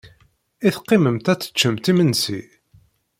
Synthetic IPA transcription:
iθqːɪməmt̪æt͡sːə̥t͡ʃːəmt̪imənsi

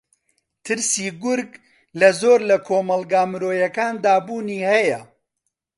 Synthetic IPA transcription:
t̪ʰɨɾsiːɡʊɾɡ | lɐzoːɾlɐkʰoːmɐlˠɡaːmɨɾoːjɐkaːnd̪aːbuːniːhɐjɐ

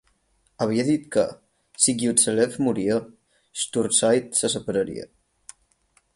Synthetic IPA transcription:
əβ̞iəðit̪kə̰ | siɡiut̪selefmuɾiə | st̪uɾsajt̪səsəpəɾəɾḭə̰

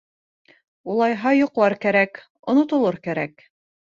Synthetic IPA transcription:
ulˠɑjɦɑjuqlˠɑɾkæɾæk | ŏnŏt̪ŏlˠɤɾkæɾæk

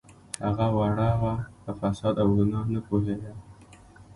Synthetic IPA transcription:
haɣawaɽɑwapəfasɑd̪awɾunɑnapoɦed̪a

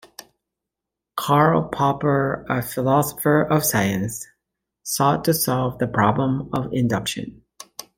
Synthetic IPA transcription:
kʰɑɹl̩ˠpʰɑpə˞əfəlɑsə̥fə˞ʔʌv̥saɪɨ̃nsː | ɔtʰɨsɑlˠvðɨpʰɹ̥ɑblə̃mʌvɪ̰̃ndʌkʃɨ̰̃n

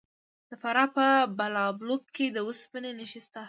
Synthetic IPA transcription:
d̪̥əfaɾɑpəbalɑblokkːed̪əuspənenəʃist̪a

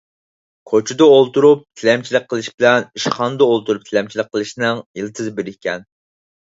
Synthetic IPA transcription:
kʰot͡ʃʰud̪ɑolˠt̪uɾup̚t̪ʰɪlɛmt͡ʃʰilɪk̚ʲqʰːəlˠɨʃbɪlɛniʃχɑnd̪əolˠt̪uɾup̚t̪ʰɪlɛmt͡ʃʰilɪk̚qʰːəlˠɨʃnɨŋilɪt̪ʰɨzɨbeɾɪkʲʰɛn

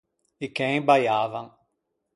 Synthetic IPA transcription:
ɪkẽj̃bajavɐ̃ŋ

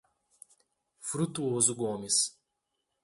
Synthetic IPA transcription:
fuɾut̪uwoozuɡoːmis

